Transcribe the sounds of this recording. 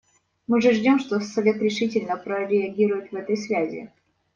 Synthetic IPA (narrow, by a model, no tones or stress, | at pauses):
mɨʐɨʐdʲo̞mʂt̪osɐvʲe̞t̪ɾʲɪʂɨtʲɪlʲnəpɾəɾʲɪɐɡʲiɾʊjɪt̪vɛt̪əjsvʲæzʲɪ̰